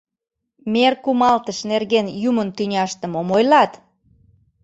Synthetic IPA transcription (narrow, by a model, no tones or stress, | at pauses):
merkumɑlt̪əʃnerɣenjumənt̪ynʲɑʃt̪əmomojlɑt̪